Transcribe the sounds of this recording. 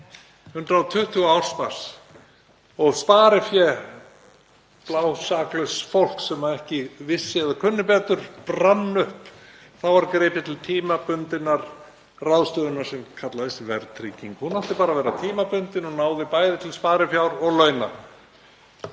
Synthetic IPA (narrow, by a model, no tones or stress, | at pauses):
hʏnt̪ɾaːt̪ʰʏht̪ʰʏɣawɾ̥spaɾ̥s | ɔɣspaːɾɪfjɛ | plaːwsaːklœsfowl̥ksɛmaðɛhcɪvɪsːɪɛðakʰʏnːʏpɛːt̪ʏɾ̥pramnʏhp | θawvaɾkɾeːpɪt̪ʰɪlt̪ʰiːmapʏnt̪ɪnːaɾ | rawðst̪œːðʏnḁsɛmkʰat̪laðɪst̪vɛɾt̪ʰɾiːciŋkhunaft̪ɪpaːɾavɛːɾat̪ʰiːmapʏnt̪ɪnɔnaːwðɪpaːjðɪt̪ʰɪlspaːɾɪfjawɾɔɣlœɥna̰